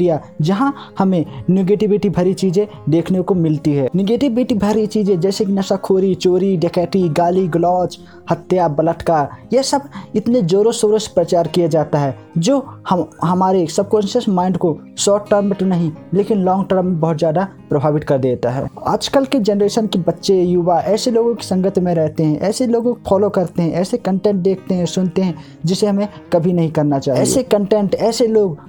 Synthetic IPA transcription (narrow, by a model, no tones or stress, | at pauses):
ija | d͡ʒɐɦã | hɐmẽneɡeːʈɪbiʈibʱɐɾit͡ʃiːd͡ʒẽ | d̪eːkʰnekomɪlt̪iɦɛːnɪɡeːʈɪbɪʈibʱəɾit͡ʃiːd͡ʒẽd͡ʒɛːsekinɐsakʰoːɾit͡ʃoːɾiɖekɛːʈiɡaːliɡlɔːt͡ʃ | hət̪ːjabələʈ̪kaːɾjesəbɪt̪ned͡ʒoːɾosoːɾəspɾət͡ʃaːɾkijad͡ʒaːt̪aɦɛ | d͡ʒoːhɦɐmaːɾesəb̚konsəsmãːɪ̃ɳɖko | ʃɔːʈʈəɾmːẽʈ̪nɐɦĩleːkɪnlɔ̃ːŋɡʈəɾmːẽbɐɦʊt̪zjaːd̪apɾɐbʱaːʋɪt̪kɐɾd̪eːt̪aɦɛ̰ːa̰ːd͡ʒkəlked͡ʒɛnəɾeːʃənkebɐtːʃejuːʋaʔɛːseloːɡõke̥sɐ̃ŋɡət̪mẽɾɛɦt̪eɦɛ̃ʔɛːseloːɡõkopʰɔːlokɐɾt̪eɦɛ̃ʔɛːsekə̃ɳʈẽːɳʈ̚d̪eːk̚ʰt̪eɦɛ̃sʊnt̪eɦɛ̃ | d͡ʒɪseɦɐmẽkɐbʱinɐɦĩkɐɾnat͡ʃaːɦɛːsekə̃ɳʈɛ̃ɳʈɛːseloːɡ